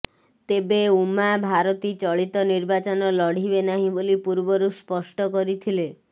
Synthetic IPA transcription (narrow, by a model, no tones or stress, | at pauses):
t̪ebeumabʱaɾɔt̪it͡ʃɔɭit̪ɔniɾbat͡ʃɔnɔlɔɽ̤ibenaɦĩbolipuɾbɔɾuspɔsʈɔkɔɾit̪ʰile